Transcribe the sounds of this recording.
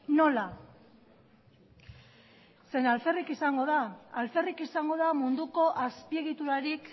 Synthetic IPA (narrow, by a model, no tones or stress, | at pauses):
no̞la | se̞nalfe̞rikisaŋɡo̞ð̞aːlfe̞rikisaŋɡo̞ð̞amund̪uko̞ʔaspie̞ɣ̞it̪uɾaɾik